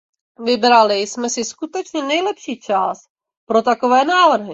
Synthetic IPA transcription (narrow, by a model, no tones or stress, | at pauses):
vɪbɾalɪsmɛsɪskut̪ɛt͡ʃɲɛnɛjlɛpʃiːt͡ʃas | pɾo̞t̪akovɛːnaːvr̩ɦɪ